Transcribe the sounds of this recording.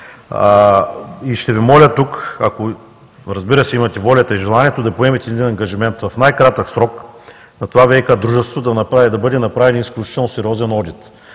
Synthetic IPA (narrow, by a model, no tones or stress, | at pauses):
iʃt̪ɛvimɔlʲət̪ukako | ɾɐzbiɾɐsɛimɐt̪ɛvɔlʲɐt̪ɐiʒɛlˠanʲiɛt̪od̪ɐpoɛmɛt̪ʲɛd̪ʲid̪inɐŋɡɐʒimɛnt̪vɐfnajkɾat̪əksɾɔk | nɐt̪ovavɛikad̪ɾuʒɛst̪ot̪od̪ɐnɐpɾad̪ɐbɤd̪ɛnɐpɾavɛnisklʲut͡ʃi̥t̪ɛlˠnosɛɾʲiɔzɛnɔd̪it̪